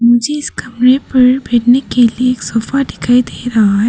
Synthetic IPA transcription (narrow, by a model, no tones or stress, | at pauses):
mʊd͡ʒʱeɪskɐmɾepɐɾbʱeːʈnekelieːksoːfaɖɪkʰaːid̪eːɾɐɦaɦɛː